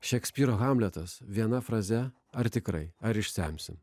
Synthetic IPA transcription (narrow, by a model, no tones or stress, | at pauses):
ʃʲɛksʲpʲiːɾoːɣɑmʲlʲɛt̪ɐsʋʲiɛnɐfɾɐzʲɛ | ɐɾt̪ʲɪkɾɐ̰ɪɐɾɪʃʲsʲæmʲsʲɪm